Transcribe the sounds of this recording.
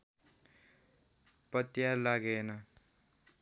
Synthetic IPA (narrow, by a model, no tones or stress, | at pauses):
pʌt̪jalaɡenʌ